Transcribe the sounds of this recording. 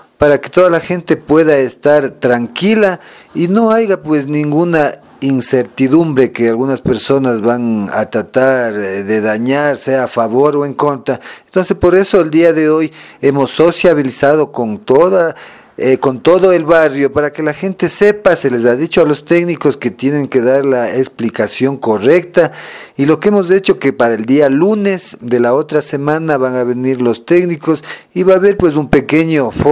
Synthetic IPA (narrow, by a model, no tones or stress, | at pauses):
paɾaket̪oðalaxent̪epweðaest̪aɾt̪ɾaŋkilainoajɣapwesnĩŋɡuna | inseɾt̪iðumbɾekealɣunaspeɾsonazβana̰t̪ɾat̪aɾðeðaɲaɾseaːfaβoɾoeŋkont̪ɾaent̪onsespoɾesoeld̪iaðeojemosːosjaβilisað̞okont̪oða | ekont̪oðoelβarjopaɾakelaxent̪e̞sepaselesaðit͡ʃoalo̞st̪eknikosket̪je̞ne̞ŋkeðaɾlaeksplikasjo̞ŋkorekt̪ailo̞keemozet͡ʃokepaɾaeld̪ialunezd̪elaot̪ɾasemãnaβaŋaβeniɾlost̪eknikosiβaːβeɾpwes̬umpekeɲofo